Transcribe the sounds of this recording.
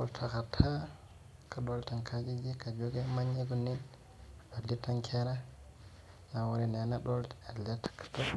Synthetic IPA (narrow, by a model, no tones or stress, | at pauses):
ɔ̰ltʰakatʰa | kaɗɔltaŋkʰad͡ʒid͡ʒikad͡ʒoɡɛmaɲeɡunin | alːitaŋkʰɛɾa | nawɔɾinanaɗɔlaliatḁkːḁta